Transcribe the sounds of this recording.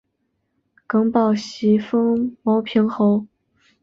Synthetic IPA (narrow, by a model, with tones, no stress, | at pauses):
kɤ˧˥ŋpɑ˥˩ʊɕi˧˥fɤ˥ŋmo˧˥ʊpʰi˧˥ŋxo˧˥ʊ